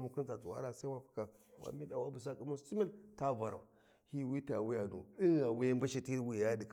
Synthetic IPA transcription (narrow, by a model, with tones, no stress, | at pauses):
mu˨ku˦nza˨t͡su˨wa̰˦ɾa˨sa˦wa˨fi̥˨ka˨ | wa̰˨mi˦da˨wa˦bu˨s̬a˦ki˦mu˦si˦mi˦lta˦ba˨ɾa̰˨ | hi˦wi˦ta̰˨wi˦ja˨nṵ˨i˦a˨wi˦ja˦ba˦ʃi˦ti˦ɾwi˨ja˦di˨k